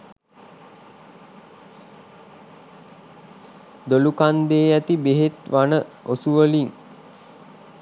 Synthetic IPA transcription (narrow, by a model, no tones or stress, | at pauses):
d̪olukand̪eːæt̪ibeɦet̪ʋanə | osuʋəliŋ